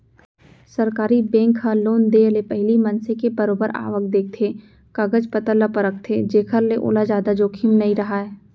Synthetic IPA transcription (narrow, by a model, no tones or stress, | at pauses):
sɐɾkaːɾibɛ̃ːŋkʰɦãloːnd̪eəlepɛɦlimɐnsekebɐɾoːbəɾa̰ːʋək̚d̪eːk̚t̪ʰe | kɐɡəd͡ʒpət̪əlːapəɾək̚t̪ʰed͡ʒeːkʰəɾleʔo̰ːlad͡ʒaːd̪ad͡ʒoːkʰimnɐɦĩɾɐɦaːɛː